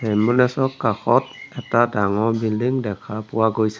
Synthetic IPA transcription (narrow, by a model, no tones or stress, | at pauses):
hɛmbunɛsɔkːakʰɔt̚ɛtadaŋɔbinlɯŋdɛkʰapuaɡɯjs